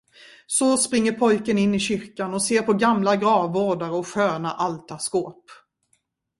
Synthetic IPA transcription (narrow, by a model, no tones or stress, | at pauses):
sɔspɾɪŋːəɾpʰɔjkənɪnːɪɕʏɾkanɔseːɾpʰɔɡamlaɡɾɑːvːoːɖaɾəɔɧøːna̰ʔalt̪askoːp